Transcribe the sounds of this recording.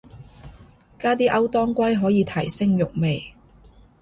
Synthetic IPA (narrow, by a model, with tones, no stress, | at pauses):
kaː˥t̪iː˥ʔɐ˥wt̪ɔː˥ŋkʷɐ˥jɦɔː˨˥jiː˨˧t̪ʰɐ˨˩jsɪ˥ŋjʊ˨k̚me˨j